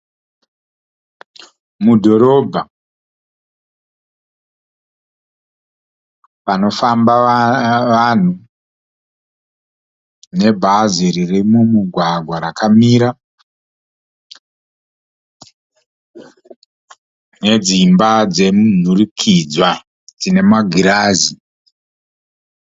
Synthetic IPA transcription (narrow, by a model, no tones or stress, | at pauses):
mudʱo̞ɾo̞bʱa | pano̞famba | ʋan̤u | ne̞bʱaziɾiremumuɡʱwaɡʱwaɾakʰamiːɾa | ne̞d͡zimbad͡ze̞munurikʰid͡zwa | d͡zine̞maɡʱiɾaːzi